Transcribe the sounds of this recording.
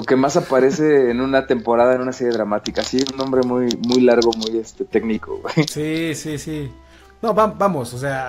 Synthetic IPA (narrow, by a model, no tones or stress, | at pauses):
loke̞masapaɾe̞se̞ːnũnat̪e̞mpo̞ɾað̞aenunase̞ɾeɾamat̪ikasiunːõ̞mbɾe̞mujmujlaɾɣo̞muje̞st̪e̞t̪e̞ɡniko̞̰ɣwejsisisi | noβambamo̞sos̬ea